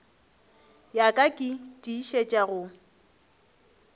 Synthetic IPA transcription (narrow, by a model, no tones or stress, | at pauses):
jakʼakʼɪtʼiʃet͡ʃʼaɣʊ